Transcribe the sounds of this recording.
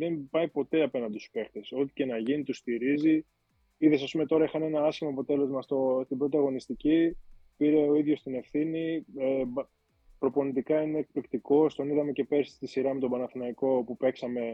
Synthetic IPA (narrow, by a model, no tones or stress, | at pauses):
ðe̞mpɐipo̞t̪e̞ɐpe̞nɐnd̪su̥pe̞xt̪eso̞t̪i̥ce̞nɐʝinit̪ust̪iɾizi | iðe̞sɐspume̞t̪o̞ɾɐixɐne̞nɐɐsçimoɐpo̞t̪e̞le̞zmɐst̪ost̪ibɾo̞t̪iɐɣo̞nist̪icipiɾe̞o̞iðʝo̞st̪ine̞fθinie | pɾo̞po̞nit̪ikɐine̞ːk̚plikt̪iko̞st̪o̞niðɐme̞ce̞pe̞ɾst̪isiɾɐmet̪o̞bɐnɐθinɐiko̞pupe̞ksɐme̞